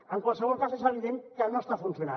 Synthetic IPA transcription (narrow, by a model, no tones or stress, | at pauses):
əŋkwalˠsəβ̞ɔlˠkazezəβiðeŋkənoəst̪afunsjuna̰